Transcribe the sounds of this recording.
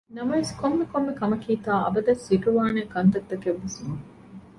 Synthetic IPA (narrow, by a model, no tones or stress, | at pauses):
nɐmɐʋeskomːekomːekɐmɐkiːt̪aːɐ̰bɐd̪ɐsːiʈuʋaːneːkɐnt̪ɐt̪ːɐkeʋːusu